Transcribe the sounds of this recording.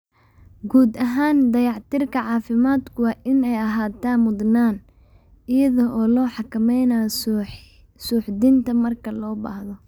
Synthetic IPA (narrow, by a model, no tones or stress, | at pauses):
ɡuːd̪ɐɦaːnd̪ɐjɑʕt̪ʰɪrkʰɐʕɑːfɪmaːd̪kʰʊwɑːʔɪnɛjɐɦaːt̪ʰaːnmʊd̪naːn | ɪjɐðɔʔɔːlɔːħɑkʰɐmɛjna | suːħd̪ɪnt̪ʰɐmɐrkʰɐlɔːba̰ːhðɔ